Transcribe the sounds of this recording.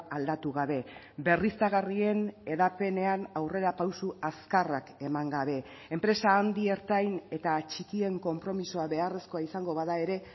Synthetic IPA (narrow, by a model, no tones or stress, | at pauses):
ald̪at̪uɣaβe̞ | be̞rist̪aɣ̞arie̞ne̞ðape̞ne̞anawre̞ɾapawsuaskarake̞maŋɡaβe̞ | empɾe̞saːnd̪ie̞ɾt̪ajne̞t̪at͡ʃikie̞ŋko̞mpɾo̞misoaβe̞are̞sko̞aisaŋɡo̞βaðae̞ɾe̞